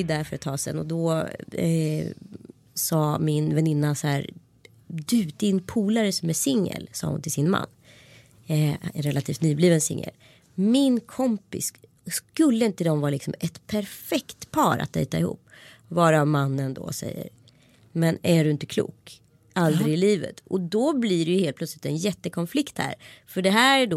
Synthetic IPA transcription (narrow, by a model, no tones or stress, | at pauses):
d̪æɾfœɾat̪ʰːɑːsɛ̰nɔd̪ɔ | sɑːmɪnvɛnɪnːashæːɾ | d̪ʉ̟ːt̪ɪnːpʰuːlaɾəsɔmɛsɪŋːə̰lsɑ̰ːhʊ̰nt̪ʰɪsɪnma̰nː | ɛnɾɛlat̪ʰiːft̪nyːbliːvənsɪ̰ŋːə̰l | mɪnkʰɔmpɪs | skɵlːəɪnt̪əd̪ɔmvɑːɾalɪksɔmɛt̪pʰæɾfɛkt̪pʰɑːɾa̰t̪̚d̪ɛ̰ːt̪aɪhṵːpːvɑːɾamanːənd̪ɔ̰sɛ̰jːə̰ɾ | mɛnæɖɵɪnt̪əkʰlṵːk | ald̪ɾɪɡɪliːvə̰t̪ʔɔd̪ɔbliɾɛjɵheːlt̪̚p̪ʰœt̪slɪt̪ɛnjɛt̪ːəkʰɔnflɪkt̪hæ̰ːɾfœɖɛɦæːɾɖo